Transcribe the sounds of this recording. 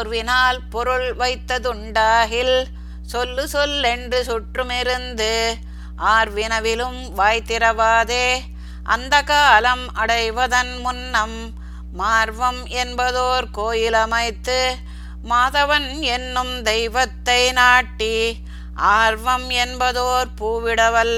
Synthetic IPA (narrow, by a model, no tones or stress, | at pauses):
ɾʋɪnaːlpɔɾɯɭʋɐɪt̪ːɐðɯɳɖaːɣɪl | sɔlːɯsɔlɛndrɯsʊʈrɯmɪɾɯnd̪ɯ | ʔaːɾʋɪnɐʋɪlɯm | ʋaːjt̪ɪɾɐʋaːðeː | ʔɐ̰nd̪ɐkaːlɐmɐɽɐɪʋɐðɐnmʊnːɐmː | aːɾʋɐmɛnbɐðoːɾkoːjɪlɐmɐɪt̪ːɯ | maːðɐʋɐnɛnːɯmd̪ɛɪʋɐt̪ːɐɪnaːʈːi | ʔaːɾʋɐmɛnbɐðoːɾpuːʋɪɽɐʋɐl